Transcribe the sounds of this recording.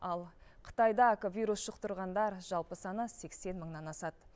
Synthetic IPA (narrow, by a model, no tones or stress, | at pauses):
ɑlˠqʰə̥t̪ɑjd̪ɑkovʲijɾusʃəqt̪əɾʁɑnd̪ɑɾʒɑlˠpəsɑnəse̞kse̞nməɴnɑnɑsɑt̪